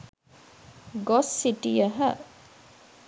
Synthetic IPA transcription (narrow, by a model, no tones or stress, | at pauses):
ɡosːiʈijɐɦɐ